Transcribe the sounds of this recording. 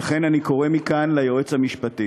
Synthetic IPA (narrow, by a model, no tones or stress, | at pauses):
aχe̞naniko̞ʁemikanlajoet͡shamiʃpat̪i